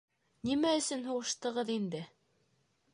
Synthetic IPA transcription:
nimæɵ̆sɵnɦuʁɤ̆ʃt̪ɤ̆ʁɤðind̪ɘ

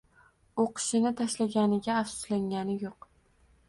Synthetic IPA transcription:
oqʰɨ̥ʃɪnɪt̪ʰaʃlaɡʲanɪɡʲaːfsʊ̥slaŋɡʲanɪjoq

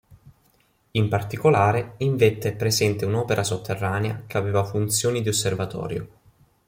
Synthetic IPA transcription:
impart̪ikolaːɾeiɱvet̪ːeɛpːɾezɛnt̪eunɔːpeɾʔasot̪ʰːerːaːnea̰keaveːvafunt̪sjoːnid̪iosːervat̪ɔ̰ːɾjo̰

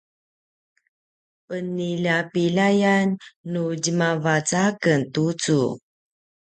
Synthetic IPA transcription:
pəniʎapilajanːud͡ʑəmavat͡sakəntut͡sṵ

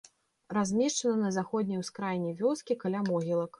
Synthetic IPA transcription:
ɾazʲmʲɛʂt͡ʂɐnɐnɐzaxɔd̪ʲnʲɐjwskɾajnʲivʲɔskʲikalʲamɔɣʲilˠɐk

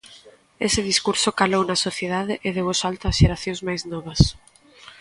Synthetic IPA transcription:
esɪðiskuɾsokalownɐsoθjeðaðɪʔɪðewosalt̪ɐ̥ʃeɾaθjõŋzmajznɔβɐs

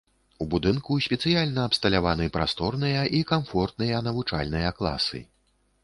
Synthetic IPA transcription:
ubud̪ɨnkusʲpʲɛt̪sɨjalʲnɐːpst̪ɐlʲavanɨpɾast̪ɔrnɨjɐʔikamfɔrt̪̚nɨjɐnɐvut͡ʂa̰lʲnɨjɐklˠa̰sɨ̰

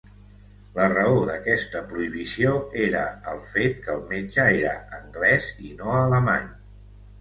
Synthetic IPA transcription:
lərəoðəkɛst̪əpɾuiβisioeɾəəlˠfet̪kəlˠmed͡ʒəeɾəəŋɡlɛzinoələmaɲ

